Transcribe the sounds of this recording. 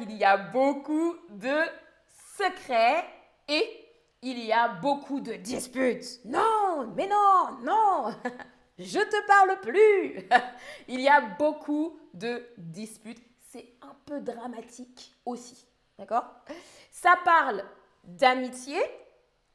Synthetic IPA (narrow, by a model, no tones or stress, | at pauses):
iliabokud̪ə | səkχɛ | e | iliabokʰud̪əd̪ispyt̪nɔ̃mɛnɔ̃nɔ̃ | ʒət̪əpaʁlply | iliabokʰud̪əd̪ispyt̪ | sɛ | ɛ̃pød̪ʁamat̪ʰik | osi̥ | d̪̥akɔːʁsapaʁl | d̪amit̪je